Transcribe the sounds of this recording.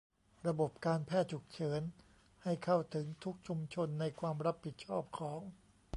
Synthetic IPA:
ɾa˧bo˨˩p̚kaː˧npʰɛː˥˩t̪̚t͡ɕʰu˨˩k̚t͡ɕʰɤː˩˦n | ha˥˩jkʰa˥˩wt̪ʰɯ˩˦ŋt̪ʰu˦˥k̚t͡ɕʰu˧mt͡ɕʰo˧nːa˧jkʰwaː˧mɾa˦˥pʰːi˨˩t̪̚t͡ɕʰɔː˥˩p̚kʰɔː˩˦ŋ

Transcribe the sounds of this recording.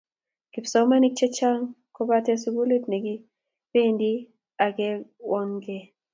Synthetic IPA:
kɪ˨psɔ˨˦ma˦ni˦k̚t͡ʃe˦t͡ʃa˦ŋ | ko˦ba˦tɛ˦su˦ɡu˦le˦tne˨ɡi˦ | pe˦˨ndi˦ | a˨ɡɛ˦wɔ˦ŋɡe˦

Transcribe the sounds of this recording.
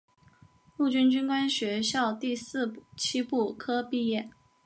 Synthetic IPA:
lu˥˩t͡ɕy˥nt͡ɕy˥nkwa˥nɕɥɛ˧˥ɕjɑ˥˧ʊt̪i˥˧sɹ̩˥˧t͡ɕʰi˥pu˥˩kʰɤ˥pi˥˧jɛ˥˩n

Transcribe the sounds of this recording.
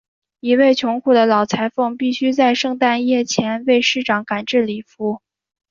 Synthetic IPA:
i˧˥we˥˩ɪt͡ɕʰjʊ˧˥ŋkʰu˥˩d̪ə˩lɑ˨˩ʊt͡sʰa˧˥ɪfɤ˥˧ŋpi˥˩ɕy˥t͡sa˥˧ɪʂɤ˥˧ŋt̪a˥˧njɛ˥˩t͡ɕʰjɛ˧˥nwe˥˧ɪʂɻ̩˥˩ʈ͡ʂɑ˨˧˥ŋka˨˩nʈ͡ʂɻ̩˥˩li˨˩fu˧˥

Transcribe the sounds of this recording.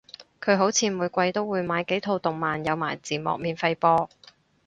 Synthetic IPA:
kʰɵ˨˧ɥɦo˨˥wt͡sʰiː˨˧muː˨˧jkʷɐ˧jt̪o˥wːuː˨˧jmaː˨˧jke˨˥jt̪ʰo˧wt̪ʊ˨˩ŋmaː˨njɐ˨˧wmaː˨˩jt͡siː˨˩mɔ̰ː˨k̚miː˨˧nfɐ˧jpɔː˧

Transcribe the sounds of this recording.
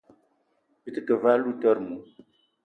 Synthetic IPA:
bi˦t̪ə˦kə˨va˦lu˦tɔ˦ɾmu˨

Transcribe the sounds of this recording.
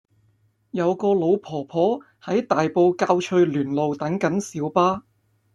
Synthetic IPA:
jɐ˨˧wkɔː˧lo˨˧wpʰɔː˨˩pʰɔː˨˥ | hɐ˨˥jt̪aː˨jpo˧wkaː˧wt͡ʃʰɵ˧ɥlyː˨˩nlo˨wt̪ɐ˨˥ŋkɐ˨˥nsiː˨˥wpaː˥

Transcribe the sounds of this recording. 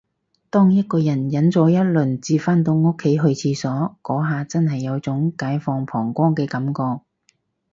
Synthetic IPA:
t̪ɔː˥ŋjɐ˥t̚kɔː˧jɐ˨˩njɐ˨˥nt͡sɔː˨˥jɐ˥t̚lɵ˨˩nt͡siː˧faː˥nt̪o˧wŋʊ˥kʰːe˨˥jɦɵ˧ɥt͡sʰiː˧sɔː˨˥kɔː˨˥ɦaː˨t͡sɐ˥nɦɐ˨jːɐ˨˧wt͡sʊ˨˥ŋkaː˨˥jfɔː˧ŋpʰɔː˨˩ŋkʷɔː˥ŋkɛː˧kɐ˨˥mkɔː˧k̚

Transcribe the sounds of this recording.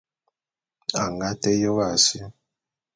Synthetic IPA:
a˨ŋɡa˦te˦jo˦ɣa˦˨sjo˦

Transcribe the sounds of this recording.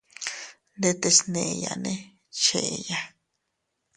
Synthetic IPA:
d̪e˧t̪e˧sne˨ja̰˨ne˦ | t͡ʃe˨ja˧

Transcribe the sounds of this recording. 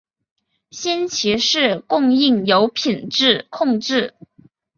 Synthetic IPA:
ɕɛ˥nt͡ɕʰi˧˥ʂɻ̩˥˧kʊ˥˧ŋi˥˩ŋjo˧˥ʊpʰi˨˩nʈ͡ʂɻ̩˥˩kʰʊ˥˧ŋʈ͡ʂɻ̩˥˩

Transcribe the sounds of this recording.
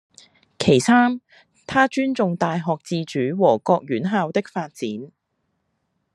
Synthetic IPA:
kʰe˨˩jsaː˥m | t̪ʰaː˥t͡ʃyː˥nt͡sʊ˨ŋt̪aː˨jɦɔː˨k̚t͡siː˧t͡ʃyː˨˥wɔː˨˩kɔː˧k̚ɥyː˨˥nɦaː˧wt̪ɪ˥k̚faː˧t̚t͡siː˨˥n

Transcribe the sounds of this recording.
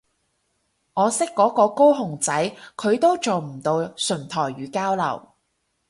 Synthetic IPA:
ŋɔː˨˧sɪ˥kːɔː˨˥kɔː˨˧ko˥wɦʊ˨˩ŋt͡sɐ˨˥jkʰɵ˨˧ɥt̪o˥wt͡so˨wm̩˨˩t̪o˧wsɵ˨˩nt̪ʰɔː˨˩jɥyː˨˧˥kaː˥wlɐ̰˨˩w

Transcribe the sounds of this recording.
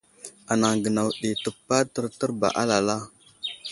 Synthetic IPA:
a˨na˨ŋɡə˨na˨wɗi˨tə˨pːa˦tə˦ɾtə˦ɾba̰˨ʔa˦la˨la˦

